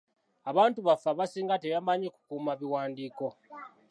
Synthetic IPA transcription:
aβaːntuβafaβasiːŋɡatejambaɲeku̥kuːmaβiwaːndiːko̞

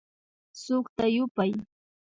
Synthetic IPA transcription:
sʊχt̪ajʊpaj

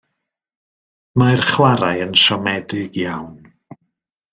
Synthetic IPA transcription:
majrχwaɾajənʃɔmɛdɪɡjawn

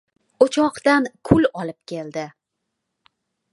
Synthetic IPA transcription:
ot͡ʃʰɒqt̪ankʰʊlɒlɪp̚kʲʰe̞ld̪ɪ

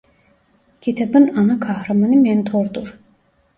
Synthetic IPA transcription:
kʲʰit̪ʰabɯnanakʰahɾamaniment̪ʰoɾd̪uɾ

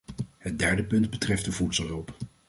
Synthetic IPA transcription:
hət̚dɛɹdəpɵndbətrɛftdəvutsɔlˠɦɵlˠp

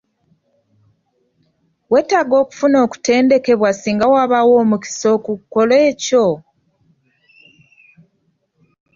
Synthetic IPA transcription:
we̞ːtaɡo̞ːku̥funo̞ːku̥te̞ːnde̞ke̞βwasiːŋɡawaβawo̞ːmuki̥so̞kukːo̞le̞ːco̞

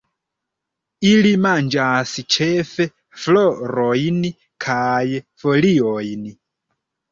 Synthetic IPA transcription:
ilimand͡ʒasit͡ʃʰefe | floɾojni | kʰajfoliojni

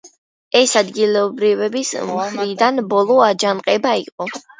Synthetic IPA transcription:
ɛsad̪ɡilɛɔbɾivɛbismχɾid̪anbɔlˠɔad͡ʒanqʼɛbaḭqʼɔ

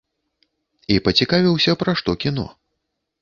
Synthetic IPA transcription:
ipɐt͡sʲikavʲiwsʲɐpɾaʂt̪ɔkʲin̪ɔ̰

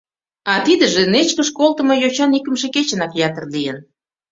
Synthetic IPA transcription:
ɑt̪id̪əʒenet͡ɕkəʃkolˠt̪ə̆mojot͡ɕɑnikəmʃeket͡ɕənɑkjɑt̪ərlijən

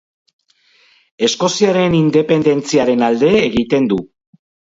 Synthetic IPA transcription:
e̞sko̞siaɾe̞nind̪e̞pe̞nd̪e̞nt͡siaɾe̞nald̪e̞ːɣit̪e̞nd̪u

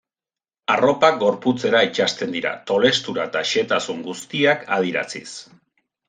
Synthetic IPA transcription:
aro̞pak̚ɡo̞ɾput͡se̞ɾait͡ʃast̪e̞nd̪iɾa̰t̪o̞le̞st̪uɾaet̪aʃe̞t̪asuŋɡust̪iakʰa̰ð̞iɾa̰t͡sḭs

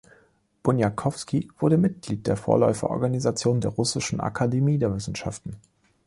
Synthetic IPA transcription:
b̥ʊnjakʰɔfskiv̥ʊɐdəmɪt̚ɡ̥liːt̚d̥eːɐfoːɐlɔʏfɐ̰ʔɔ̰ɐɡanizat͡sjoːndeːɐʁʊsɪʃn̩ʔa̰kʰademiːdeːɐvɪsn̩ʃa̰ftn̩

